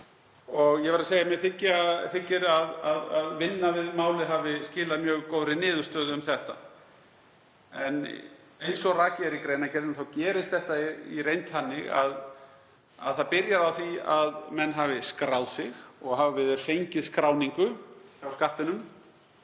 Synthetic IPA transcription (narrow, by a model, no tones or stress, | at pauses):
ɔɣjɛvɛɾaseːjamjɛθɪcːɪaθɪcːɪɾaðaðaðvɪnːavɪðmaːwlɪɦaːvɪscɪːlaðmjœːɣkowɾɪnɪːðʏ̥st̪œːðʏmθɛht̪a | ɛn | ejnsɔraːcɪaɾikɾeːjnacɛɾðnθawcɛːɾɪst̪θɛht̪airejnt̪hanːɪɣa̰ð | a̰ðθaðpɪɾjaɾawθviaðmɛnːɦaːvɪskɾawlsɪɣɔɣɦaːvavɪðʏɾ̥fejɲcɪðskɾaːwniŋkʏsawskaht̪ʏnʏm